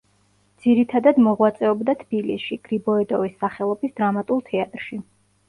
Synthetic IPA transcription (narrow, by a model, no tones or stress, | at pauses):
d̪z̥iɾit̪ʰad̪ad̪mɔʁwat̪sʼɛɔbd̪at̪ʰb̥ilḭsʃiɡ̥ɾibɔɛd̪ɔvisːaχɛlˠɔbisd̪ɾamat̪ʼulˠt̪ʰɛat̪ʼɾʃi